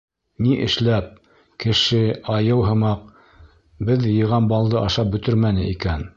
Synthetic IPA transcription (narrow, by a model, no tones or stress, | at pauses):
niʔɘ̆ʃlæp̚ | kɘ̆ʃɘɑjɤwɦɤ̆mɑq̚ | bɘðjɤ̆ʁɑnbɑlˠd̪ɤʔɑʃɑp̚bɵ̆t̪ɵɾmænɘʔikæn